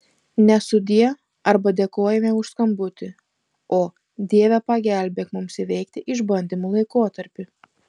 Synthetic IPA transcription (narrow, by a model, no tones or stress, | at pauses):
nʲɛsʊd̪ʲiɛ | ɐɾbɐd̪ʲeːkoːjɛmʲɛʊʃskɐmbʊt̪ʲɪ | oː | d̪ʲiɛʋʲɛpɐɡʲæˑlʲbʲeːkmʊmsɪʋʲɛɪkt̪ʲɪʔɪʒbɐnʲd̪ʲɪmuːlˠɐɪkoːt̪ɐɾʲpʲʊ